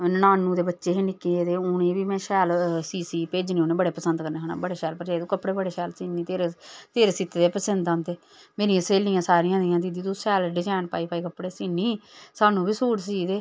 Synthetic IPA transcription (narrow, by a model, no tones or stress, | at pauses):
nənaːnːũːd̪eːbətːʃeːɦenɪkːẽed̪eːʊnẽːbiːmɛ̃ːʃɛːlsiːsiːpeːd͡ʒniːoːneːbəɽeːpəsənd̪kəɾneːɦona̰ːbəɽeːʃɛːlpəɾd͡ʒaːid̪ũːkəpːɽeːbəɽeːʃɛːlsiːniːt̪eːɾeːt̪eːɾeːsit̪ːeːd̪eːpəsənd̪ãːnt̪eː | meːɾijãːseːlijãːsaːɾɪjãːd̪ɪjãːd̪iːd̪iːd̪ũːsɛːlɖɪd͡ʒaːnpa̰ːiːpaːiːkəpːɽeːsiːniːsaːnũːbiːsuːʈsiːd̪eː